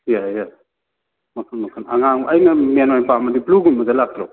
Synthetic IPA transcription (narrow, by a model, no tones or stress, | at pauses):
jaja | mɐkʰɯnmɐkʰɯnaŋaŋɐjnɐmenojpamɐdipluɡunmɐzalak̚tʰɾa